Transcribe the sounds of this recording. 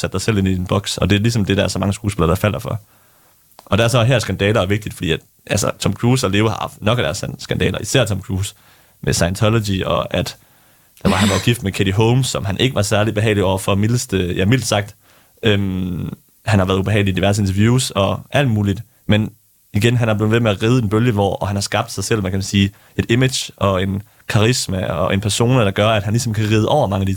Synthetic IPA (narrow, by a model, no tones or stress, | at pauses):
sæd̥sɑ̈ɪsel̰e̝nienb̥ɒ̽ɡ̥sɒ̽d̥e̝æɐlisɒ̽md̥e̝ɾɑæɐsɒ̽mɑ̈ŋəsɡ̥uːsb̥e̝lɐd̥ɑ̈fæl̰ɐfɒ̽ | ʔɒ̽d̥ææɐsɒɦæɐ̰sɡ̥ænd̥ɛːlɐʋe̝ɡ̥̚d̥id̥fɒ̽d̥ḭːæd̥ | ʔælsɐt͡sʰɒ̽mkʰʁuːsæle̝ːʊɐhɑ̈hɑ̈fd̥nɒ̽ɡ̥æɾ̥æɐssɡ̥ænd̥ɛ̰ːlɐʔisæɐt͡sʰɒ̽mkʰʁuːs | mʔesɑ̈ɪnt͡sʰɒlodiɒ̽ʔæd̥ | d̥ɑ̈ʋɑ̈hænʋɑ̈ɡ̥ifd̥mekʰeɾ̥iɦoʊmsːɒ̽mɦænʔe̝ɡ̥əʋɑ̈sæɐlib̥e̝ɦɛ̰ːɪliɒ̰ʊ̰ɐfɒ̽milsd̥jæmil̰d̥sɑ̈ɡ̥̚d̥ | ʔøm | hænhɑʋæːɐðˠub̥e̝ɛ̰ɪlid̥iʋæɐsəe̝nt͡sʰɐʋjuːsɒ̽ʔæl̰d̥muːlid̥ | men | iɡ̥enɦænhæ̈b̥le̝ð̩ˠʋemeæʁiːð̞ˠəe̝nb̥øljəʋɒ̰ɒhænhɑ̈sɡ̥ɑ̈b̥̚d̥sɑ̈ɪsel̰ʋækʰæmænsiː | e̝d̥e̝me̥jʔɒ̽e̝n | kʰɑ̈ʁismæɒ̽ʔe̝npʰæɐso̝̰ːnɐd̥ɑ̈ɡ̥ɶɐæd̥hænlisɒ̽mkʰæʁiːð̞ˠəʔɒ̰ʊ̰ɐmɑ̈ŋæd̥i